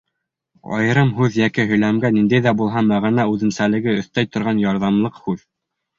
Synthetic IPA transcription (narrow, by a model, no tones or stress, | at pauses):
ɑ̰jɤ̆ɾɤmɦʉðjækiɦɵ̆jlæmɡænind̪æjðæbulˠɦɑmæʁɑnɑʉðɘ̆nsælɘ̆ɡɘɵ̆θt̪æjt̪ŏɾʁɑnjɑɾðɑmlˠɤqhʉð